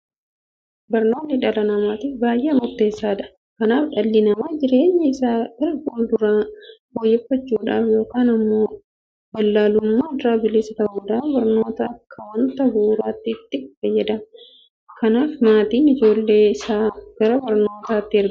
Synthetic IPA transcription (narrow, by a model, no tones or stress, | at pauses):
bɐɾno̞ːnːɪᶑɐlɐnɐmaːt̪ɪfbaːjʔemʊɾt̪ːe̞ːsːaːᶑ̪ɐ̥ | kɐnaːfᶑɐlːɪnɐmaːd͡ʒɪɾe̞ːɲːɐɪsaːʔɪɾɡuːld̪ʊɾaːboːjːɛfːɐt͡ʃːuːᶑaːfjo̞ːkaːnɐmːo̞ː | bɐlːaːlʊmːaːd̪ɾaːbɪleːsɐt̪ɐbuːd̪aːbɐɾnoːt̪ɐɐkʰːɐwɐnt̪ɐbuːɾaːt̪ːɪt̪ːɪfɐjːɛd̪ɐm | kɐnaːfmaːt̪iːnɪd͡ʒo̞ːlːe̞ːɪsaːɡ̥ɐɾɐbɐɾno̞ːt̪aːt̪ːɪɪɾd̪